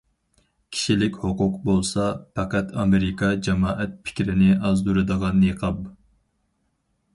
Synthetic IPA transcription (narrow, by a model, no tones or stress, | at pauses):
kʲʰi̥ʃilɪkʲhoqʊqbolˠsɑpʰɑqæt̪ʰɑmeɾɪkʰɑd͡ʒɑmɑːʔɛt̪̚pʰɪ̥kʲɾɪnɪʔɑzd̪uɾɨd̪əʁɑneqʰɑb